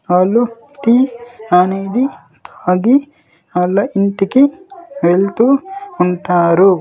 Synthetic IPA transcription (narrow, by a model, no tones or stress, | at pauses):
aːlːu | t̪ianeːd̪i | t̪ʰḁːd̪i | ɐlːɐʔiɳʈikiʋeɭt̪uːɳʈaːɾu